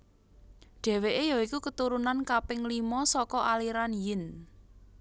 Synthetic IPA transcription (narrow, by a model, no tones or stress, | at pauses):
ɖ̥ɛ̤weʔejɔikukət̪uɾunankapɪŋlimɔsɔkɔʔaliɾanjɪn